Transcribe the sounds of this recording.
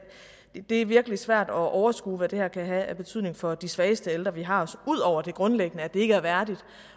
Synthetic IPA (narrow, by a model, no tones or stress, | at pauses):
d̥e̝æɐʋiɐɡ̥əlisʋæɐ̰d̥ɒ̽ʔɒʊɐsɡ̥ṵːʋæd̥e̝hæɐ̰kʰæɦæːɐb̥e̝t͡sʰyð̞̰ˠne̝ŋfɒ̽d̥isʋɛːəsd̥əeld̥ʁɐʋiɦɑ̈ɒ̽suð̞̰ˠɒʊ̰ɐd̥e̝ɡ̥ʁɔ̽nleɡ̥ənəæd̥e̝e̝ɡəæɐʋæɐd̥id̥